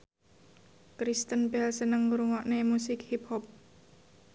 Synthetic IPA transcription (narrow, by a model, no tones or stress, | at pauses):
kɾist̪ənbɛlsənəŋuɾuŋɔʔnemusɪkhip̚hɔp̚